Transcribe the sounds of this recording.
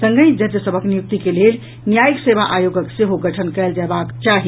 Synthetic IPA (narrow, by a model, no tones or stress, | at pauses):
sə̃ŋɡəjd͡ʒəd̪jəsəbʱəknijuk̚t̪ikelel | njajiksebaʔajoɡəkseɦoɡəʈʰənkɛld͡ʒɛbakt͡ʃaɦi